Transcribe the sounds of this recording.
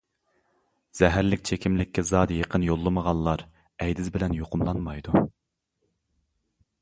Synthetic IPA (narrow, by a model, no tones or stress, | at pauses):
z̥ɛɦæɾlɪkʲt͡ʃʰekʲʰimlɪkʲʰːɛzɑd̪jeqʰənjolˠːɨməʁɑnˠlˠɑɾ | ɛjd̪ɪzbɪlɛnjoqʰʊmlˠɑnmɑjd̪u